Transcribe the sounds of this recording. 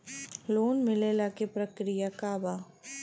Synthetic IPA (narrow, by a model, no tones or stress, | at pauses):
loːnmɪlelaːkepɾɐkɾijakaːbaː